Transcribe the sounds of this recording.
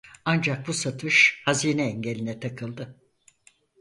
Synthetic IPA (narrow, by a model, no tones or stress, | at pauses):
and͡ʒak̚busat̪ʰɯʃhaziːnɛːɲɟe̞lʲinɛt̪ʰakʰɯlˠd̪ɯ